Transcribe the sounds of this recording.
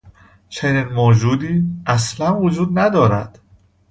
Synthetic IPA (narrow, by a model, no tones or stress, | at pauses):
t͡ʃʰe̞niːnmoːd͡ʒuːd̪iːæslænvod͡ʒuːd̪næd̪ɒːɾæ̰d̪̥